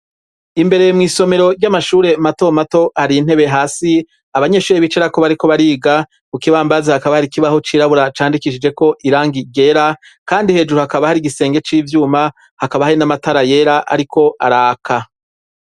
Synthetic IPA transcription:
imbe̞ɾe̞mŋiːso̞me̞ɾo̞ɾɟamaʃuːɾe̞mato̞mato̞haɾin̥e̞βe̞ɦaːsi | aβaɲe̞ːʃuːɾeβit͡ʃeɾako̞βaɾiko̞βaɾiːɡa | ukiβaːmbazehakaβahaɾikiβaho̞t͡ʃiːɾaβuɾat͡ʃaːndikiʃid͡ʒe̞ko̞ʔiɾaːŋɡiɟe̞ɾa | kaːndihe̞ːd͡ʒuɾuhakaβahaɾiɡise̞ːŋɡe̞t͡ʃiːvjuːma | hakaβahaɾinamataɾaje̞ɾaʔa̰ɾikʰo̞ʔaɾaːkʰa

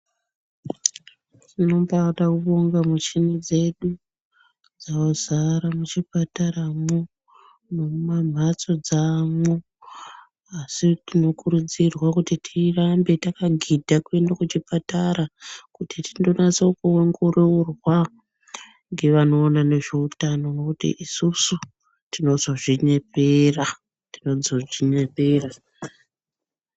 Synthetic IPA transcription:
tino̞mpatakuɓoŋɡamut͡ʃinid͡ze̞ɗu | d͡zaozaɾamut͡ʃipataɾamo | mumam̤ʱat͡so̞d͡zamo | asitino̞kuɾud͡zirwakutitʰirambe̞takaɡʱidʱakue̞ndakut͡ʃipataɾakutitindo̞nat͡sookuweŋɡururwa | ŋɡe̞ʋano̞ːnane̞ʐe̞utano̞wokutḭʔisusu | tino̞zo̞ʐiɲepera | tino̞d͡zo̞ʐiɲepe̞ra

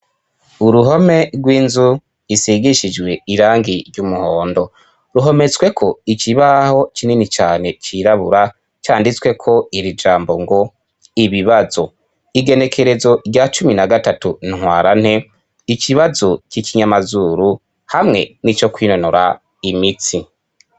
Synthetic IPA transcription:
uɾuɦo̞me̞ɡwiːnzu | isiɡiʃid͡ʒwe̞iɾaːŋɡiɾɟumuhoːndo̞ | ɾuɦo̞me̞t͡swe̞kʰo̞ikiβaho̞t͡ʃininit͡ʃaːne̞t͡ʃiɾaβuɾa | t͡ʃaːndit͡skwe̞kʰo̞iɾid͡ʒaːmbo̞ŋɡo̞ | iβiβazo̞ | iɡe̞ne̞kʰe̞ɾe̞zo̞ɾɟat͡ʃuminaɡatatunŋ̥waːɾan̥he̞ | iciβazo̞cikiɲamazuɾu | hamŋe̞nit͡ʃo̞kwiːnonoɾa̰ | imit͡si

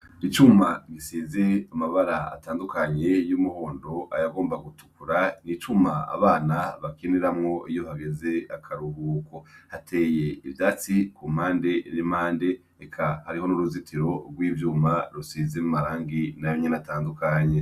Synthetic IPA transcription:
it͡ʃumaɡisiːze̞amaβaɾaa̰taːndukaɲe̞jumuho̞ːndo̞ʔa̰jaɡo̞ːmbaɡutu̥kuɾanit͡ʃumaa̰βaːnaβakiniɾamŋo̞ijo̞haɡe̞ze̞akʰaɾuhuːkohatʰe̞ːjeivjaːt͡sikumaːnde̞nimaːnde̞ | ekʰahaɾiho̞nuɾuzitʰiɾo̞ɡwiːvjuːmaɾusiːzemumaɾaːŋɡinajoɲenataːndukaɲe̞

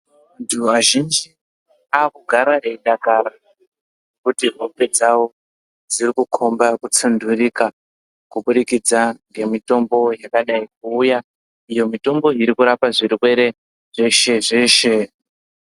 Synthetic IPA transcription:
antʰuʋaʒind͡ʒi | aːkuɡʱaɾaeiɗakaɾa | kutiɦope̞d͡zawo̞ | d͡zirikukʰo̞mbakut͡sundurika | kuɓuɗikid͡zaŋɡe̞mito̞mbo̞jakaɗaik̚uːja | ijo̞mito̞mbo̞iɾikuɾapaʐiriwe̞ɾe̞ | ʐ̥eʃe̞ʐe̞ʃe̞

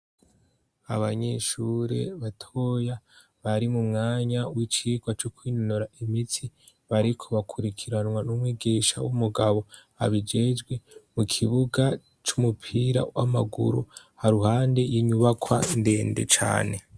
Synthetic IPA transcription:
aβaɲeʃuːɾe̞̰βatʰoja | βaɾimumŋaːɲawit͡ʃiːɡwat͡ʃokwiːnonoɾaʔimitʰi | βaɾikʰo̞βakʰuɾikʰiɾanwanumwiːɡiʃa̰wumuɡaβo̞ | a̰βid͡ʒe̞d͡ʒɡwe̞mukʰiβuɡa | t͡ʃumupʰiɾa̰wa̰ma̰ɡṵɾṵ | haɾuhaːnde̞jiɲuβakwande̞ːndḛt͡ʃa̰ːne̞

